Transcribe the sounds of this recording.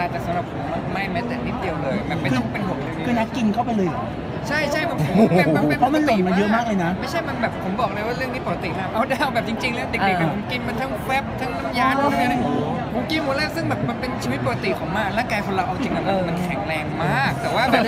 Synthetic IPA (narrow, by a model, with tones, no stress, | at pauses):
a˧t̪ɛː˨˩sa˨˦mɾa˨˩p̚ʰo˨˩˦ma˧˩ma˥˩jmɛ˦˥˩t̪e˨˩t̚ni˦˥t̪̚di˧əwlɤː˧jbɛː˨˩pːkɯ˧˥˩pe˧nbu˨˩t̪̚la˧˩˧kʰɯː˧na˦˥ki˧nkʰa˥˩wpa˧jlɤː˧ja˨˩ | t͡ɕʰa˥˩jt͡ɕʰa˥˩jbɛ˨˩pɛː˨˩˧pʰɔ˦˥ma˧nlo˨˩nma˧˥jɤ˦˥˩maː˥˩k̚lɤː˧na˦˥ma˥˩jt͡ɕʰa˥˩jma˧nbɛː˨˩pʰːo˩˦mbɔː˨˩k̚lɤː˧jwaː˥ɾɯ˥˩əŋnʰiː˧˥˩po˨˩ka˧t̪i˨˩haː˨˩m̚ʔa˧˩wdaː˥˩jbɛː˨˩p̚t͡ɕi˧ŋt͡ɕi˧ŋlɛ˦˥t̪i˨˩k̪i˨˩a˨˩ko˨˩˦ki˧mːa˧nt̪ʰa˥˩ŋfɛː˦˥p̚t̪ʰa˦˥˩ŋna˦˥˩m̚jaː˧˥˩t̪ʰa˥˩˨a˧˥na˧˩ | o˨˦nki˧mmu˨˩˦laː˥˩sɯ˥˩ŋbɛː˨˩p̚ma˧npe˧nt͡ɕʰi˧wi˦˥t̪̚po˨ka˧t̪i˨˩kʰɔ˩˦ŋmaː˧˩˧ɾaː˥˩ŋkaː˧jkʰo˨˧˦la˧wʔa˧wt͡ɕi˧ŋla˧˩ba˧˩ma˧nkʰɛ˨˩˦ŋɾɛː˧ŋmaː˩˥˩k̚t̪ɛː˨˩waː˥˩bɛː˨˩